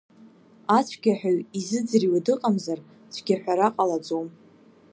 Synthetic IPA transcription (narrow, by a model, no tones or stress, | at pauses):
at͡ɕʷʰɡʲaħʷᶣaɥizɨd͡zriwadɨqʼamzar | t͡ɕʷʰɡʲaħʷᶣaɾaqʼalad͡zom